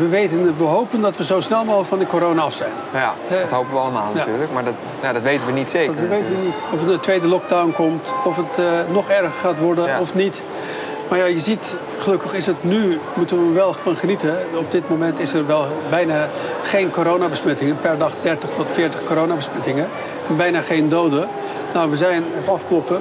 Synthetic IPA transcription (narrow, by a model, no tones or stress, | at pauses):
ʋəʋejtənʋəɦowpəndɔtʋəzowsnɛlˠmofɔndəkoɾoːnaɑfsɛjnhɛtɦowpəʋəɑlˠəma̰ːlˠnajayːɹləkmaɹ | jadɔtʋejtənʋənitseəʋejtəənitɔfdətʋeːdəlɔk̚dawnkɔmtɔfətnɔχɛrɣəχaːtʋɔɹdənɔfnit | maɹjajəzit | χəlɵkəχɪsətnymutənəʋɛlˠfɔnχənitəɔb̚dɪtmomɛntɪsərʋɛlˠbɛjna | χejnkoɾownabəsmɛtɪŋəpɛrdɑχdɛrtəχtɔtfɪːɹtəχkoːɾoːnabəsmɛtɪŋə | ɛnbɛjnaχejndowdə | nawʋəzɛjnɑfklɔpə